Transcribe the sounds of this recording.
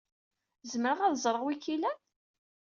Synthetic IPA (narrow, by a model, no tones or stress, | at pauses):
zməɾəʁæðzˤɾˤəʁwikilæ